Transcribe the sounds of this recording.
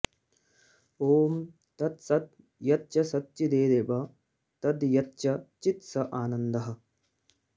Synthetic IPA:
oːm | t̪ɐt̪sɐd̪̚ | jɐt̪̚t͡ʃɐsɐt̪t͡ʃid̪eːd̪eːbɐ | t̪ɐd̪jɐt̪t͡ʃɐt͡ʃit̪sɐʔaːnɐnd̪ɐɦɐ̆

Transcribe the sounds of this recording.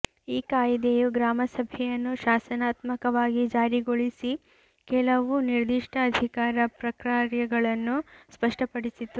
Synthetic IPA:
iːkaːjid̪ejuɡɾaːmɐsɐbʱɛjɐnːuʃaːsɐnaːt̪mɐkɐʋaːɡid͡ʒaːɾiɡoɭisi | kɛlɐʋuniɾd̪iʂʈʰɐːd̪ʱikaːɾɐpɾɐkɾaːɾjɐɡɐɭɐnːuspɐʂʈʰɐpɐɽisit̪ːu

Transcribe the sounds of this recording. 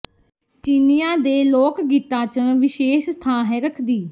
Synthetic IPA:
t͡ʃiːnijãːd̪eːlɔːkɡiːt̪ãːt͡ʃəʋɪʃeːʃst̪ʰãːɦɛːɾəkʰd̪iː

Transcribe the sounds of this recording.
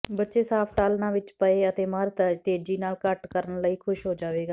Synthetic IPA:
bətːʃeːsaːpʰʈaːlnãːʋɪt͡ʃpəeːət̪eːməɾt̪t̪eːd͡ʒiːnaːlkəʈkəɾənləiːkʰʊʃɦoːd͡ʒaːʋeːɡaː

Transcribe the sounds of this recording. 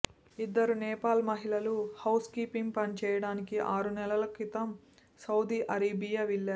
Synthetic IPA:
id̪ːɐɾunɛːpaːlmɐɦilɐluhɐwskiːpiŋɡ̚pɐnit͡ʃɛːjɐɽaːnikiʔaːɾunɛlɐlɐkit̪ɐm | sɐwd̪iːʔɐɾeːbijaʋiɭːaːɾu

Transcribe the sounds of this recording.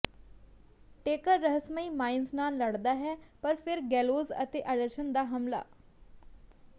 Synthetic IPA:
ʈeːkəɾːəɦəsməiːmaːɪnsnaːlːəɽd̪aːɦɛːpəɾpʰɪɾɡɛːloːzə̰t̪eːʔəɖəɾʃənd̪aːɦəmla̰ː

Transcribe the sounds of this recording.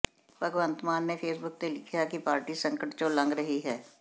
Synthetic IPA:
pəɡʋə̃nt̪maːnːepʰeːsbʊk̚t̪elɪkʰjakipaːɾʈisə̃ŋkəʈt͡ʃõːlə̃ŋɡɾəɦiɦɛː

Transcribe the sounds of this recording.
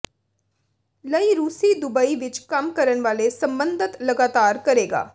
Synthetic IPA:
ləiːɾuːsiːd̪ʊbəiʋɪt͡ʃkəmkəɾənʋaːlesəmbənd̪ət̪ləɡaːt̪aːɾkəɾeːɡa̰ː

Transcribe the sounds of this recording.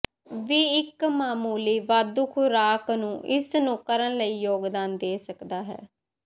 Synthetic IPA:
ʋiːɪkmaːmuːliːʋaːd̪uːkʰʊɾaːknũːʔɪsnũːkəɾənləiːjoːɡd̪aːnd̪eːsəkd̪aːɦɛ̰ː

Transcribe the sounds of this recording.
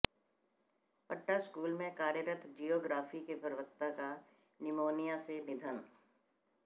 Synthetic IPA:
pəʈːaskuːlmẽkaːɾjəɾət̪ʰd͡ʒijoːɡɾaːfikepəɾəʋək̚t̪aka | nɪmoːnijãsenɪd̪ʱən

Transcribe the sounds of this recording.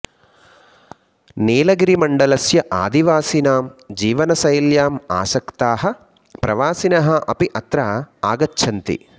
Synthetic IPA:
neːlɐɡiɾimɐɳɖɐlɐsjɐʔa̰ːd̪iʋaːsinaːmd͡ʒiːʋɐnɐsɐjljaːma̰ːʃɐkt̪aːɦɐ̆ | pɾɐʋaːsinɐɦɐʔɐpiʔɐt̪ɾɐaːɡɐtːʃʰɐnt̪ḭ

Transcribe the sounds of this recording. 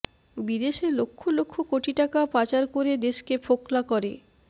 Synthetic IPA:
bid̪eʃeɾlokʰːolokʰːokoʈiʈakapat͡ɕaɾkoɾed̪eʃkepʰoklakɔɾe

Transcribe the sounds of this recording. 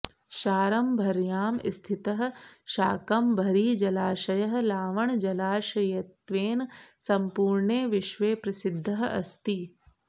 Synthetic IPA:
ʃaːɾɐmbʱɐɾjaːmɪ̰st̪ʰɪt̪ɐɦɐ̆ʃaːkɐmbʱɐɾiːd͡ʒɐlaːʃɐjɐɦ̆laːʋɐɳd͡ʒɐlaːʃɐjɐt̪ʋeːnsɐmpuːɾɳeːʋɪʃʋeːpɾɐsɪd̪ʱːɐɦɐ̰st̪i

